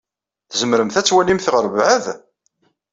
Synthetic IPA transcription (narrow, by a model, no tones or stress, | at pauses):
θzəmɾəmθæt͡sːwælimθʁəɾvʕəð